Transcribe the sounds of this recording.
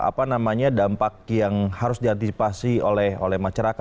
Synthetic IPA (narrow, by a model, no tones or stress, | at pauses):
a̰panamaɲadampak̚jaŋhaɾʊsdiant̪isipasiolɛho̰lɛhmaʃaɾaka